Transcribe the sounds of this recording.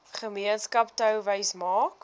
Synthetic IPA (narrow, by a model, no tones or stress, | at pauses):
χəmiənskɐptəwvəjsmɑːk